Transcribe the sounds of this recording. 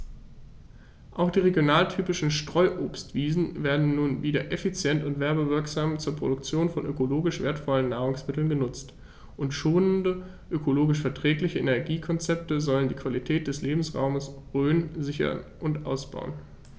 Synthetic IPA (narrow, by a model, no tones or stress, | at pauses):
ʔaʊxd̥iːʁeɡjonaːltʰyːpɪʃn̩ʃtʁ̥ɔʏʔoːpstv̥iːzn̩veːɐdn̩ːuːnviːdɐʔefit͡sjɛntʊntv̥ɛɐbəvɪɐkz̥aːmt͡suːɐpʁ̥o̰dʊkt͡sjoːnfɔnʔøkoloːɡɪʃv̥ḛːɐtfɔlənːaːʁ̞ʊŋsmɪtl̩nɡənʊt͡st | ʔʊntʃoːnəndə | ʔøkʰoloːɡɪʃfɛɐtʁ̥ɛːklɪçəʔenɛɐɡiːkʰɔnt͡sɛp̚təzɔləndiːkv̥alitʰɛːt̚d̥ɛsleːbm̩sʁa̰ʊməsʁøːnzɪçɐ̰nʔʊntʔaʊsb̥a̰ʊən